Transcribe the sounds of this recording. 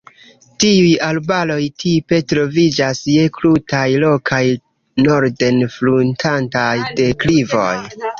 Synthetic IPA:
tiujalbalo̞jtʰipe̞tɾo̞vid͡ʒasje̞klutajlo̞kʰaj | no̞ɾde̞nfluntʰantajde̞klivo̞j

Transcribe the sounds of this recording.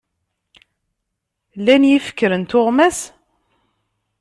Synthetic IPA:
lænjifə̥kːəɾənt̪oʁmæs

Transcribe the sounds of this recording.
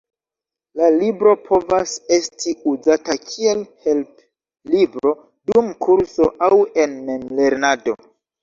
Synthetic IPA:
lalibɾo̞pʰo̞vase̞stiuzatakʰie̞lhe̞lp | libɾo̞ | dumkuɾso̞ʔawe̞nme̞mle̞ɾnado̞̰

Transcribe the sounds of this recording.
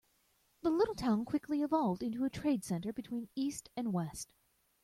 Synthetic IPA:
ðəlɪɾl̩ˠtʰãʊ̃nkʰw̥ɪkʰliɨvɑlˠvdɪ̃ntuɨtʰɹ̥eɪd̥sɛ̃ntə˞bɨtʰw̥ĩnistɨ̃nwɛst

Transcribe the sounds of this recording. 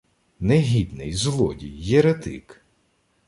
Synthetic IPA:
nɛɦʲid̪nɪ̰jzlˠɔ̰dʲijːɛɾet̪ɪ̰k

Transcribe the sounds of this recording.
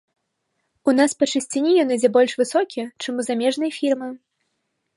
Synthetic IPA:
un̪aspɐt͡ʂɨsʲt͡sʲinʲijɔnɨd͡zʲɛbɔlʲʂvɨsɔkʲiɛt͡ʂɨmuzamʲɛʐnɐjfʲirmɨ

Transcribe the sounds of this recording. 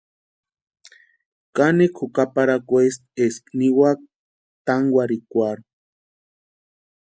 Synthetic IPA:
kanikʰukapaɾakʷuest̪̚eskniwak̚ | t̪aŋɡwaɾikʷaɾ

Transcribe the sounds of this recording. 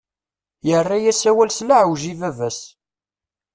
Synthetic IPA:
jərːajæsæwælslaʕwʒivævæs

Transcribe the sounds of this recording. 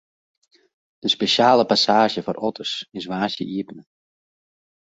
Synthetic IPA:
d̥əspeʃaːləpasaːʒəfɔrʔɔtʰərsɪsʋaːsjə̰ʔiəpnə

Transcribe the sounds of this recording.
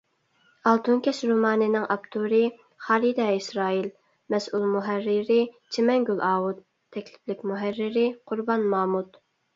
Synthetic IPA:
ɑlˠt̪ʰunkʲɛʃɾumɑːnɨnɪŋʔɑpt̪ʰuɾɪ | χɑːɾid̪ɑisɾɑːil | mɛsulˠmuɦærːɪɾɪt͡ʃʰemɛŋɡʲylɑːwut̪ʰːɛkʲlɪplɪkʲmuɦærːɪɾɪqʰʊɾbɑnmɑːmut̪

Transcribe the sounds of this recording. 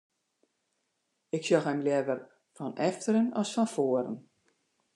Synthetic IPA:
ɪksjɔxɛmljɛvər | fɔnɛftəɾənɔsfɔnfoəɾə̰n

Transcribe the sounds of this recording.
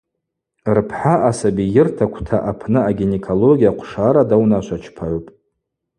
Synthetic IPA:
rpʰħaʔasabijɪrtʰakʷʰtʰaʔapʰnɨaɡʲinekʰolo̞ɡʲijaqʷʰʂaɾadawnaʃʷʰat͡ʃʰpʰaʕpʼ

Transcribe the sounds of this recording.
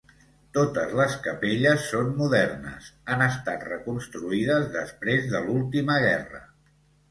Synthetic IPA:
t̪ot̪əzləskəpeʎəsːonmuðɛrnə̰sanəst̪at̪rəkunst̪ɾuiðəzðəspɾezðəlulˠt̪iməɣ̞ɛ̰rə̰

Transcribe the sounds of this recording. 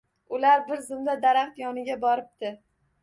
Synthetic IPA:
ʊlaɾbɪɾzɪmd̪ad̪aɾaχt̪jɒnɪɡʲabɒɾɪp̚t̪ɪ

